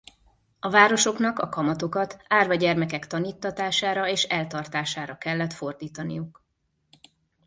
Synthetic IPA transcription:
ɒvaːɾo̞ʃo̞kn̪ɒkɒkɒmɒt̪o̞kɒt̪aːrvɒɟɛrmɛkɛkt̪ɒniːt̪ːɒt̪aːʃaːɾɒeːʃɛlt̪ɒrt̪aːʃaːɾɒkɛlːɛt̪fo̞rd̪iːt̪ɒnḭjuk

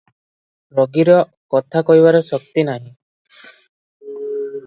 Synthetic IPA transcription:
ɾɔɡiɾɔ | kɔt̪ʰakɔɦiβaɾɔsɔkt̪inaɦĩ

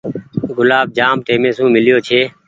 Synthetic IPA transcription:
ɡʊlaːb̚d͡ʒaːmt̪eːmẽːsũːmɪljoːt͡ʃʰeː

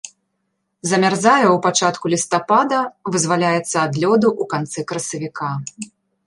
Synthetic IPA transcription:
zɐmʲarzajɐwpat͡ʂat̪kulʲist̪apad̪ɐvɨzvalʲajɛt̪sːɐːd̪lʲɔd̪uʔukant̪sɨkɾɐsɐvʲikʰa

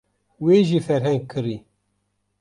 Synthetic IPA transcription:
wiʒifæɾhænkːəɾi

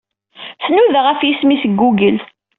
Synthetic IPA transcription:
θnuðʁəfjismisəɡːuɡəl

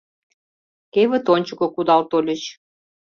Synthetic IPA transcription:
keβə̆t̪onʲt͡ɕəkŏkud̪ɑlt̪olʲə̆t͡ɕ

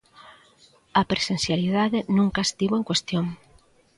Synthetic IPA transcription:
apɾesen̟θjaliðaðenũŋkaest̪iβoeŋkwest̪joŋ

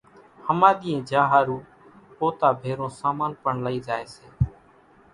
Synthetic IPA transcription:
həmaːɗ̪iːẽːd͡ʒaːɦaːɾuː | poːt̪aːbʱeːɾõːsaːmaːnpəɳləiːzaːeːseː

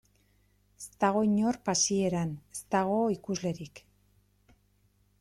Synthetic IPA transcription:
est̪aɣ̞o̞jɲo̞ɾpasie̞ɾane̥st̪aɣ̞o̞ikuzle̞ɾik

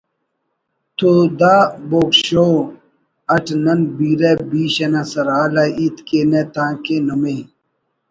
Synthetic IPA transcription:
t̪ʰod̪aːboːkɕoː | ɐʈʰnɐnbiːɾebiːɕɐnasɐɾaːlɐiːt̪keːnet̪ãːkeːnɐme

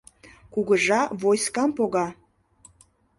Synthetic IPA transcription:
kuɣəʒɑvojskɑmpoɣɑ

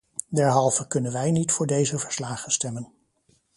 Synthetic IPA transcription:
dɛɹɦɑlˠvəkɵnənʋɛjnitfʊːɹdejzəvəɹslaːχənstɛmən

